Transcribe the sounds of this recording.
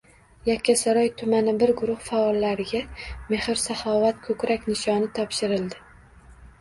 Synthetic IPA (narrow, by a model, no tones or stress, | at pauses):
jakʲʰːasaɾɒjt̪ʰʊmanɪbɪɾɡʊɾʊhfaɒlːaɾɪɡʲame̞hɪɾsahɒvat̪kʰɵkɾakʲnɪʃɒnɪt̪ʰɒpʃɪɾɪld̪ɪ